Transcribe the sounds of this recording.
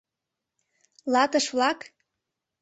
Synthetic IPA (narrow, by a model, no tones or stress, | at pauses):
lɑt̪əʃβlɑk